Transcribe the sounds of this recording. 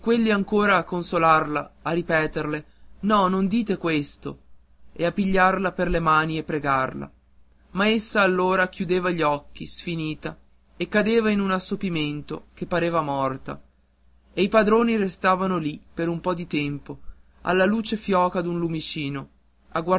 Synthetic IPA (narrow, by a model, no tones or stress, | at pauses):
kːwelːiaŋkoːɾaːkːonsolarlaːrːipɛːt̪erle | nɔnond̪iːt̪ekwest̪o̰ | eapːiʎːarlaperlemaːniepːɾeɡarla̰ | maesːaːlːoːɾak̟jud̪eːvaʎiɔkːḭsfiniːt̪a | ekːad̪eːvainunasːopiment̪o̰kepːaɾeːvamɔrt̪a̰ | eipad̪ɾoːniɾest̪aːvanolipeɾumpɔd̪it̪ɛmpo | a̰lːaluːt͡ʃefjɔːkad̪unlumit͡ʃiːno | aɡwa